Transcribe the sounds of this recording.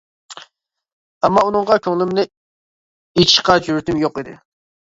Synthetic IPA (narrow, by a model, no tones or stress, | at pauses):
ɛmːɑunɨŋʁɑkʲʰøŋlˠɪmnɪ | it͡ʃqɑd͡ʒyɾt̪ɪmjoqid̪ɪ̰